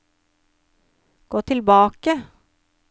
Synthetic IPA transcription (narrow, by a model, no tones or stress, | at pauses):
ɡ̥oːt̪ʰɪlbɑːkə